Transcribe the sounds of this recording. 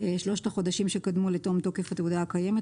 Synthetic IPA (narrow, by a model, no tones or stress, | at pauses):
eʃlo̞ʃtaχo̞d̪aʃimʃekad̪muleto̞mt̪o̞kefat̪eud̪aakaje̞met